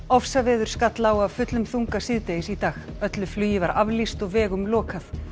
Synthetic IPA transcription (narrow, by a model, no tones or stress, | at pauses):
ɔfsavɛːðʏɾ̥skat̪laːwavfʏt̪lʏmθuŋkasɪðt̪ejɪsit̪aːxœt̪lʏflyːjɪvaɾavlist̪ɔɣvɛːɣʏmlɔːkʰaθ